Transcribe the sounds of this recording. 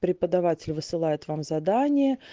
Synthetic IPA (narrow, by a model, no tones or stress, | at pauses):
pɾʲɪpəd̪ɐvatʲɪlʲvɨsɨlˠajɪt̪vamzɐd̪anʲɪjə